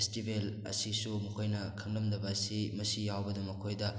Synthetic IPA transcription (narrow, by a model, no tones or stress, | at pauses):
stibelɐ̰sisumɐkʰojnɐkʰɐŋdɐmdɐbɐsimɐsijawbɐdɐmːɐkʰojdɐ